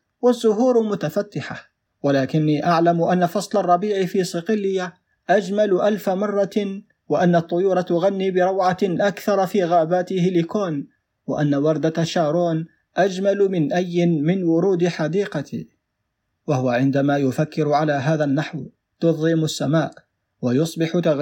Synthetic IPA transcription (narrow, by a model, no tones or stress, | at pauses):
wazːʊɦuːɾmʊt̪afat̪ːɪħa | walaːkɪnːiːʔaʕlamʔanːafɑsˤlɑrˤːɑbiːʕɪfiːsˤɪqɪlːɪja | ʔad͡ʒmalʔalfamɑrˤːɑ | wɪʔanːɑt̪ˤːʊjuːɾˤɑt̪ʊɣanːiːbɪɾˤɑwʕaʔakθɑɾˤɑfiːɣaːbaːt̪ɪhɪlɪkoːn | wɪʔanːawɑɾˤd̪aʃaːɾˤuːn | ʔad͡ʒmalmɪnʔajːɪmɪnwʊɾuːd̪ħad̪iːqɑt̪i | wahʊwaʕɪnd̪amaːjʊfakːɪɾʕalaːɦaːðanːaħw | t̪ʊðˤɪmasːamaːʔ | wajʊsˤbɪħt̪a